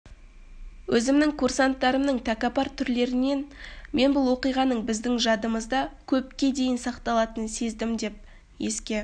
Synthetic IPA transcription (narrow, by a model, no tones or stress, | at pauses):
wʔɵzɪmnɪŋkʰursant̪ːɑɾəmnəɴt̪ʰækɑpɑɾt̪ʰʏɾle̞ɾɪne̞nme̞nbʊlˠwo̞qijʁɑnəɴbɪzd̪ɪŋʒɑd̪əməzd̪ɑkʲʰɵp̚kʲe̞d̪e̞jɪnsɑqt̪ɑlˠɑt̪ənse̞zd̪ɪmd̪e̞p̚ | je̞skʲe̞